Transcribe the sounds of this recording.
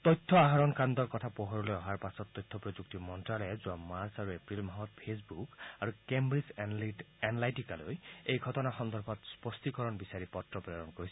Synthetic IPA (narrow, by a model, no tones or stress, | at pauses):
t̪ɔjt̪ʰːɔaɦaɹɔnkandɔɹkɔtʰapɔɦɔɹɔlojɔɦaɹpasɔtːɔjt̪ʰːɔpɹɔzuk̚timɔntɹalɛzuamaɹsaɹuepɹilmaɦɔt̚pʰesbukaɹukembɹiz | enlajtikalojejɡʱɔtɔnaxɔnd̪ʱɔɹbʰʱɔtspɔst̪ikɔɹɔnbisaɹipɔtɹɔpɹeɾɔnkoɹisɔ